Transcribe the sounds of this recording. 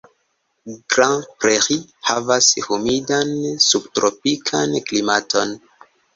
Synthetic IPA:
ɡɾãpɾeʁihavashumidansubtɾopikʰanklimato̞n

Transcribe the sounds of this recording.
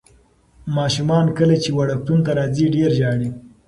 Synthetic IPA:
mɑʃumɑnkəlet͡ʃewaɽak̚t̪unt̪aɾɑziɖeɾʒɑɽi

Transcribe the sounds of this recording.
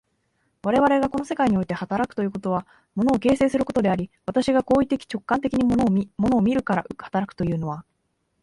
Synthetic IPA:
βaɾe̞β̞aɾe̞ɡako̞no̞se̞kaiɲ̟io̞it̪e̞hat̪aɾakɯ̟̥t̪ojɯ̟ːko̞t̪o̞βa | mo̞no̞ːke̞ːse̞ːsɨɾɯ̟ko̞t̪o̞d̪e̞aɾʲiβat̪aɕiɡako̞ːit̪ːe̞kʲi̥t͡ɕo̞kːãnt̪e̞kʲiɲ̟imo̞no̞ːmʲiɾɯ̟kaɾaɯhḁt̪aɾakɯ̟̥t̪o̞jɯ̟ːno̞βa

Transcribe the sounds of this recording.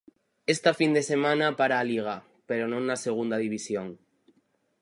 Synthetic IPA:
est̪afind̪esemãnapaɾaːliɣ̞a | peɾonõŋnaseɣ̞und̪aðiβ̞isjoŋ

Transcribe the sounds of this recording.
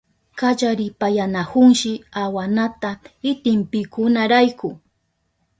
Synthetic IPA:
kat͡ʃaɾɪpajanakʊŋʃɪawanat̪aɪt̪ɪmpɪkʊnaɾajkʊ

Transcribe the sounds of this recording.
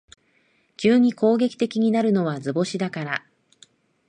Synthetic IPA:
kʲɨːɲ̟iko̞ːɡʲe̞kʲi̥t̪e̞kʲiɲ̟inaɾɯ̟no̞βazɨbo̞ɕid̪akaɾa

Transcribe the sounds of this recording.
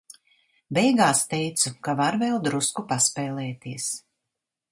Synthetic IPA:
bɛjɡaːst̪ɛjt̪sukavaɾvɛlˠd̪ɾuskupaspɛːlɛːt̪iɛs

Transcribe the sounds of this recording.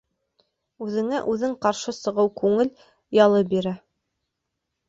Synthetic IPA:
ʉðɘ̆ŋæʔʉðɘŋqɑɾʃɤsɤ̆ʁɤwkʉŋɘl | jɑlˠɤbiɾæ

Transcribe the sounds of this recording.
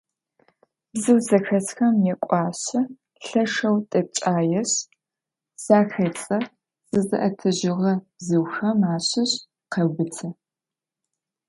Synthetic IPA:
bzɨwzɐxɐsxɐmjɛkʷʼɑːɕɐ | ɬɐʂɐwtʼɐp̚t͡ʃʼaːjɛɕ | z̥aːxɐt͡sʼɐ | z̥ɨzɨ̰ʔɐtʰɐʑɪʁɐb̥zɨwxɐmaːɕɪɕ | qɐbɨt͡sʰɐ

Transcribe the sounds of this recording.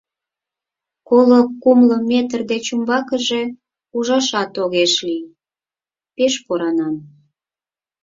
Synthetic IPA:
kolokumlə̆met̪ərd̪et͡ɕumbɑkəʒe̽ | uʒɑʃɑt̪oɣeʃli | peʃpoɾɑnɑm

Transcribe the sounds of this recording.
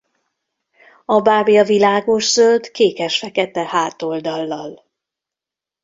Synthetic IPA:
ɒbaːbijɒvilaːɡo̞ʒzøld̪keːkɛʃfɛkɛt̪ɛhaːt̪o̞ld̪ɒlːɒl

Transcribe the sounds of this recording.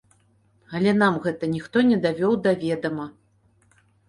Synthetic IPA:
ɐlʲɛn̪amɣɛt̪ɐnʲixt̪ɔnʲɛd̪avʲɔwd̪avʲɛd̪ɐmɐ

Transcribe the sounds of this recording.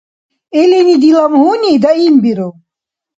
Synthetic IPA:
ɛlinid̪ilamhunid̪aimbiɾu

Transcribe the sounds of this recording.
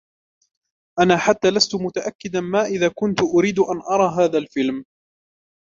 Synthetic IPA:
ʔanaːħat̪ːaːlast̪ʊmʊt̪aʔakːɪd̪anmaːʔɪðaːkʊnt̪ʊʔʊɾiːd̪ʊʔanʔɑɾˤɑːɦaːðalfɪlm

